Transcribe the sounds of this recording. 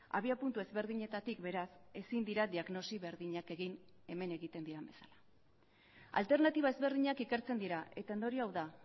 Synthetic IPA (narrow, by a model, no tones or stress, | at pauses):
a̰β̞iapunt̪ue̞zβe̞ɾðiɲe̞t̪at̪ikbe̞ɾase̞sind̪iɾad̪iaɣno̞siβe̞ɾðiɲake̞ɣin | e̞me̞ne̞ɣit̪e̞nd̪iɾambe̞sḁlḁ | a̰lt̪e̞ɾnat̪iβ̞ae̞zβe̞ɾðiɲakike̞ɾt͡se̞nd̪iɾaʔe̞t̪ae̞nd̪o̞ɾiawða